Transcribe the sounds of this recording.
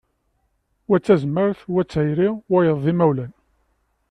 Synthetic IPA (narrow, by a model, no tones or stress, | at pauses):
wæt͡sːæzmːəɾθwæt͡sːhæjɾiwæjəðˤːimæwlæn